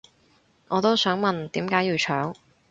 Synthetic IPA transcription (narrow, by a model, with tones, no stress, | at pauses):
ŋʔɔː˨˧t̪o˥wsœː˨˥ŋmɐ˨˩nt̪iː˨˥mkaː˨˥jiː˨˧wt͡ʃʰœː˨˥ŋ